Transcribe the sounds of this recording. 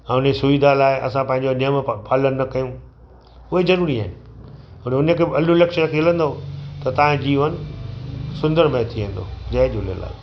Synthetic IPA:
ɛ̃ʊnesʊʋid̪ʱalaːɪʔɐ̰sãpɐ̃ɦɪ̃ɲd͡ʑoniəmpaːlənnɐkɐjũː | ʊɦezɐɾuːɾiaːɪnɪ̆ | ʊneʊnəkʰeːɐlulɛkʃəɾkelə̃nd̪ot̪ɐt̪ɐãd͡ʑiːʋənɪ̆ | sʊ̃nd̪əɾmẽt̪ʰiʋẽːn̆d̪o̰d͡ʑɐːd͡ʑolḛla̰ː

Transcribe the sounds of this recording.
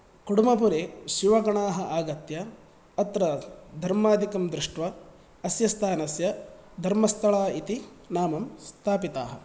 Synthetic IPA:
kuɽumɐpuɾeːʃuʋɐɡɐɳaːɦɐʔaːɡɐt̪jɐː | t̪ɾɐd̪ʱɐɾmaːd̪ʱikɐmd̪ɾiʂʈʋɐː | sjɐst̪ʰaːnɐsjɐd̪ʱɐɾmɐst̪ʰɐɭaːit̪inaːmɐmst̪ʰaːpit̪a̰ːɦɐ̰

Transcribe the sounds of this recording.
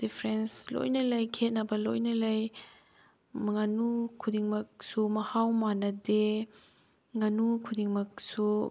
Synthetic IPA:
d̥ipʰɾɛnslɔ̰jnɐlɐjkʰet̚nabɐlo̰jnɐlɐj | mɐŋanukʰudiŋmɐk̚sumɐhawmanɐde | ŋanukʰudiŋmɐk̚su

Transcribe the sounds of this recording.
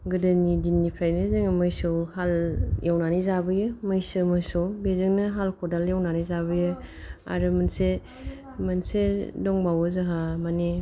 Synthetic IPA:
ɡɯdanidinːipʰajnezeŋmɯjsowhaljʔawnanizabɯjɯmɯjsɯmɯjsowbezɯŋnɯɦalkʰɔdaljawnanizaβɯjɯa̰ɾɯmɯnse | mɯnsedɔŋbawɔzaɦamane

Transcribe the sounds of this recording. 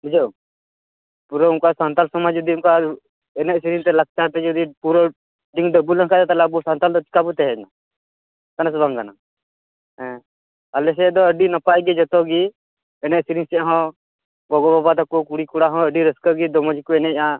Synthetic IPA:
bud͡ʒow | puɾɔuŋkasant̪alsɔmad͡ʒɔd̪iunka | ɛnɛʔsiɾiŋt̪ɛlak̚t͡ʃaɾt̪ɛd͡ʒɔd̪ipuɾɔ | ɖiŋd̪əbulənkat̪ɛt̪alɛbusant̪ald̪ɔt͡ʃi̥kabut̪ɛɦɛd͡ʒna | k̪anasbaŋɡana | ɛ̃ | alɛs̬ɛd̪ɔəɖinapajɡɛd͡ʒɔt̪ɔɡi | ɛnɛʔsiɾĩŋsɛʔɦɔ̃ | ɡɔɡɔbabat̪akukuɽikuɽaɦɔ̃əɖiɾəskəɡid̪ɔmɔd͡ʒikɔɛnɛa

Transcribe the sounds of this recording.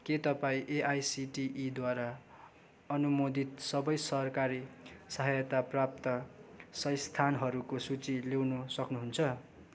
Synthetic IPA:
ket̪ʌpaĩʔeʔajsiʈiʔid̪waɾa | ʌnumod̪ʱit̪sʌbʌjsʌrkaɾisʌɦajʌt̪aprap̚t̪ʌsʌjst̪ʰanɦʌɾukosut͡silewnusʌknuɦunt͡sʰʌ

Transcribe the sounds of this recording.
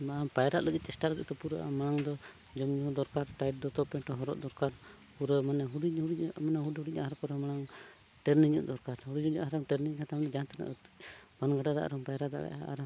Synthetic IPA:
mapajɾaʔləɡit̪̚t͡ʃɛsʈaləɡit̪̚t̪ɔpuɾəʔa̰manaŋd̪ɔ | d͡ʒɔmɲud̪ɔɾkaɾʈajʈ̚d̪ɔt̪ɔpɛʈɔɦɔɾɔ̰ʔd̪ɔɾkaɾ | puɾəmanɛɦuɖihuɽimanaɦuɖhuɽiʔaʔɦaɾkɔɾɔmanaŋ | ʈɛɾniɲəʔd̪ɔɾkaɾhuɽiuaʔɦaɾɔŋʈəɾniɲkat̪amnɛd͡ʒant̪anɛ̰ʔt̪b̥anɡaɖad̪a̰ʔɾɔŋpajɾad̪a̰ɡɛ̰ʔaa̰ɾ

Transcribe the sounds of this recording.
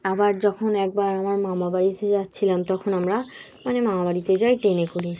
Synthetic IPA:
abaɹzɔkʰɔnɛk̚baɹamaɹmamabaɹitɛzat̚t͡ɕʰilamt̪ɔkʰɔnamɹa | manɛmamabaɹitezajtenɛkoɹi

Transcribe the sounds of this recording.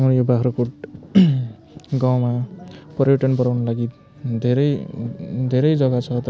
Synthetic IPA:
ʌmʌɾjobaɦʰɾokuʈ | ɡaw̃mapʌɾjoʈʌnbʌɾawnʌlaɡi | d̪ʱeɾʌj | d̪ʱeɾʌjd͡zʌɡat͡sʰʌt̪

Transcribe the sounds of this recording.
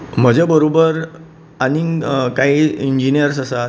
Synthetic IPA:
m̤əd͡ʑebəɾobəɾ | anikaɦiiɲd͡ʑinijəɾs̬asa

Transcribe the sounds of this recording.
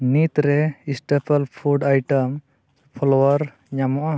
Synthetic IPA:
nit̪ɾɛisʈepʰəlpʰuɖajʈəm | pʰɔlɔwaɾ | ɲamɔʔa

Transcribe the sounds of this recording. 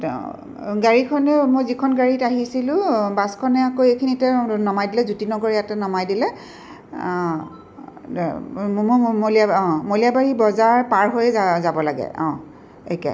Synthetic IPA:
ɡaɹikʰɔnɛmojzikʰɔnɡaɹitaɦisilʊ̃baskʰɔnɛakoejkʰinitɛnɔmajdilɛzutinɔɡoɹiatɛnɔmajdilɛ | mliaɔ̃molijabaɹibɔzaɹpaɹɦojzabɔlaɡɛ̰ɔ̰̃ | ḛkɛ̰

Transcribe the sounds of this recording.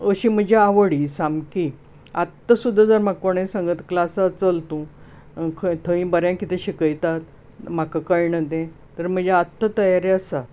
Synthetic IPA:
əɕĩːm̤əd͡ʑeaʋəɽisamki | at̪ːəsud̪ʱːad͡zəɾmakoɳ̃ẽsãŋɡət̪klasat͡səlt̪ũ | kʰət̪ʰə̃ĩbəɾjãkit̪ʰẽɕikəjt̪at̪ | m̤akakəjɳəd̪ẽ | t̪əɾm̤əd͡ʑeat̪ːət̪əjaɾeasa

